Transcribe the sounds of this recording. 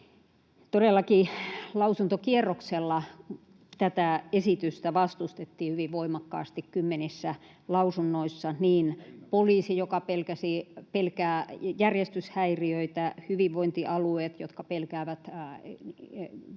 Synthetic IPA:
t̪odelːɑkilɑusunt̪okierːokselːɑ | t̪æt̪æesit̪yst̪æʋɑst̪ust̪et̪ːiːhyʋiʋʋoimɑkːɑ̰ːst̪ikkymːenisːæ | lɑusunːoisːɑniːnpoliːsijokɑpelkæsipelkæːjærjest̪yshæiriøit̪æhyʋiʋʋoint̪iʔɑlueːt̪jo̰t̪kɑpelkæːʋæt̪

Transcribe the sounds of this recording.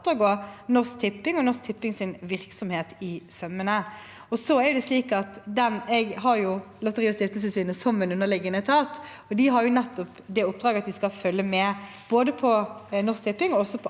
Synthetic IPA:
t̪ːəɡoːnɔɾsk̚t̪ʰɪpːɪŋɔnɔsk̚t̪ʰɪpːɪŋsɪnʋɪʁksɔmheːt̪ɪsœmːənə | ɔsɔæɾjʊd̪ɛsliːkɑt̪d̪ɛnɛɡɦɑɾjʊlɑt̪əʁiːʊst̪ɪft̪əlsəsyːnəsɔmɛnʉnːəlɪɡənət̪ʰɑːt̪ | ɔd̪ɪɦɑɾjʊnɛt̪ːɔpd̪ɛʊp̚ːd̪ɾɑːɡəɑt̪̚d̪ɪskɑfœlːəmɛb̥oːd̪əpʰɔnɔɾsk̚t̪ʰɪpːɪŋɔɔsɔpʰɔ

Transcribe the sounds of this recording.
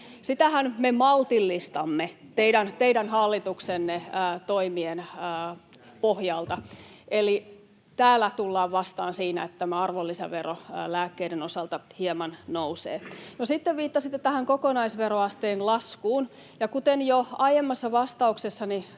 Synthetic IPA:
sit̪æhænmemɑlt̪ilːist̪ɑmːet̪eidænt̪eidænhɑlːit̪uksenːeːt̪oimienː | pohjɑlt̪ɑʔeli | t̪æːlːæt̪ulːɑːʋʋɑst̪ɑːnsiːnæ̰et̪ːt̪æmæɑrʋolːisæ̰ʋerolæːkːeiɾenosɑlt̪ɑhiemɑnnousḛːnosit̪ːeʋʋiːt̪ːɑsit̪ːet̪æhæŋkokonɑisʋeroɑst̪eːnlɑskuːn | jɑkut̪enjoɑjemːɑsːɑʋɑst̪ɑuksesːɑni

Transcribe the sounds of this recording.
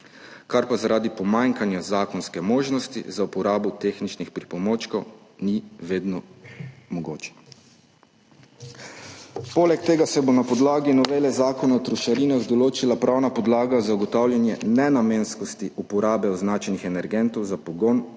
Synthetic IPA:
kaɾpazaɾʔaːd̪ipɔmaŋkanjazaːkɔnskɛmoːʒnɔst̪ḭzaupɔɾaːbɔt̪exnit͡ʃnixpɾipɔmoːt͡ʃkɔwniʋeːd̪nɔmɔɡoːt͡ʃɛ̥ | polɛk̚t̪eːɡasɛbonapɔd̪laːɡinɔʋeːlɛzaːkɔnaɔt̪ɾuʃaɾiːnaɣd̪ɔloːt͡ʃilapɾʔawnapɔd̪laːɡazauɡɔt̪awljanjɛnɛnameːnskɔst̪iʔupɔɾaːbɛɔznaːt͡ʃɛnixɛnɛɾɡɛnt̪ɔwzapɔɡoːn

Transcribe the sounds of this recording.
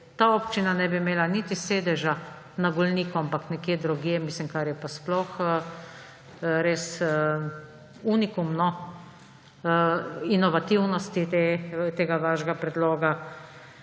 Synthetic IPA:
t̪aɔpt͡ʃinanɛbimeːlanit̪iseːd̪ɛʒa | naɡɔlniːkɔampaknɛkjed̪ɾɔɡiɛmiːslimkaɾjɛpasplɔx | ɾes | unikumnɔ | inɔʋat̪iwnɔst̪it̪et̪eːɡaʋaʒɡapɾɛd̪loːɡa

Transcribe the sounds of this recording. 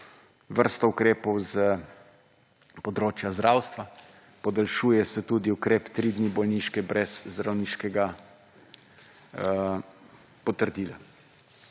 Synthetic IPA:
ʋəɾst̪ɔukɾeːpɔwzə | pɔd̪ɾoːt͡ʃjazd̪ɾaːwst̪ʋa | pɔd̪alʃuːjɛsɛt̪uːd̪iukɾeːpt̪ɾid̪nibɔlniʃkɛbɾɛzːd̪ɾawniːʃkɛɡa | pɔt̪əɾd̪iːla

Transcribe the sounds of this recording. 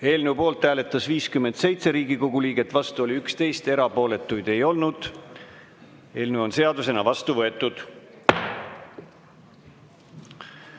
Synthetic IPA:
e̞ːlneupo̞ːlt̪ˑːæːle̞t̪ːˑɑsviːskymːend̪se̞jt̪se̞ɾiːɡiko̞ɡ̥uliːɡ̥e̞t̪ːˑvɑst̪uo̞lʲiykst̪e̞jst̪e̞ɾɑpo̞ːle̞t̪ːˑujd̪̥e̞jo̞lnud̪̥ | e̞ːlnuo̞nse̞ɑd̪use̞nɑvɑst̪uvɤ̞e̞t̪ːˑud̪̥

